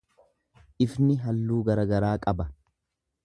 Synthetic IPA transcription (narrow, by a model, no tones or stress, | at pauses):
ʔɪfnɪɦɐlːuːɡɐɾɐɡɐɾaːkʼɐbɐ